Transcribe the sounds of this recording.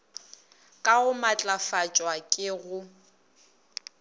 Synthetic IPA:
kʼaɣʊmat͡ɬʼafat͡ʃʼwakʼɪɣʊ

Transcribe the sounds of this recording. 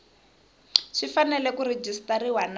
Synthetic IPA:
ʂifanɛlɛkuɾed͡ʒistaɾiwan

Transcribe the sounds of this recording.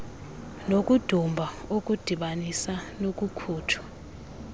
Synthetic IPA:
nokʼud̥ʱumbʱaok̬ʼud̥ʱiɓanisanokʼukʰuːtʰɔ̥

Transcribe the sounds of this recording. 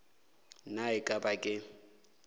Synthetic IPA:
naɪkʼabakʼɪ

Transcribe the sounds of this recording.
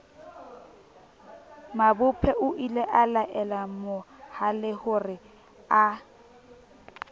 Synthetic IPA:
mabʊpʰɛʔʊʔilɛʔalaʔɛlamʊhalɪhʊrɪ | a

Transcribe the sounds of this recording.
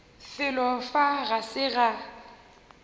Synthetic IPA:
fɪlɔfaɣasɪɣa

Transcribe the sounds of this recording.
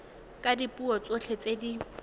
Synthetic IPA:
kʼadipʼuɔt͡sʼoɬʰet͡sʼedi

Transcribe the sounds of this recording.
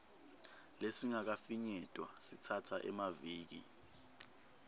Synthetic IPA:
lesiŋak̬afiɲɛtʼwasitʰatʰaʔɛmaviːk̬ḭ

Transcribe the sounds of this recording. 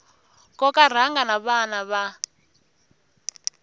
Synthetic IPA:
kɔkar̤aŋɡanaβanaβa

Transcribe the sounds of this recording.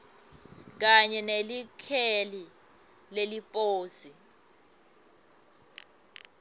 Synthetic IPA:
k̬aɲɛnelikʰɛli | lelipʼoːsi

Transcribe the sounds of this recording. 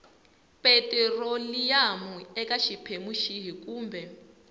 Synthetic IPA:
pʼɛtʼɛrolijamuɛkaʃipʰemuʃiɦikʼuːmbɛ

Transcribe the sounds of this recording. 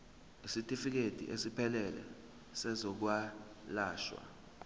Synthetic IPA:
isitʼifik̬ed̥ʱḭʔesipʰɛlɛlɛ̰ | sɛzɔk̬wa | laːʃwa̰

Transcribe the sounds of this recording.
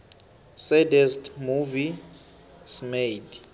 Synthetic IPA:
sɛdɛstmuvi | smed

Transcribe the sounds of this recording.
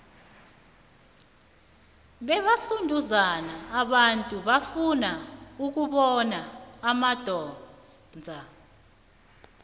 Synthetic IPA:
ɓɛɓasundʱuzanaːɓantʼuɓafunauk̬uɓɔnaːmad̥ʱɔː | nd͡zʱa

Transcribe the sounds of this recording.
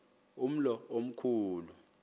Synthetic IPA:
um̩lɔom̩kʰuːlu

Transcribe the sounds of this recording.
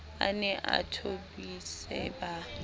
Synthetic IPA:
a̰nɛʔatʰobisɛba

